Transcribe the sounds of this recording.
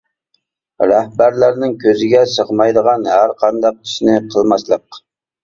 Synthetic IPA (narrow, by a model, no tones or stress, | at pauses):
ɾæhbæɾlæɾnɪŋkʲʰøzɪɡʲɛsəʁmɑjd̪əʁɑnɦæɾqʰɑnd̪ɑq̚t̪ʰi̥ʃnɪqʰəlˠmɑslˠəq̚